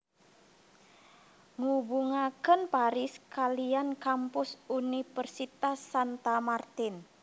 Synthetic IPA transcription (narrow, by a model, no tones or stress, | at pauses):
ŋubuŋakənpaɾɪskaliankampʊsunifərsit̪asːant̪amart̪ɪn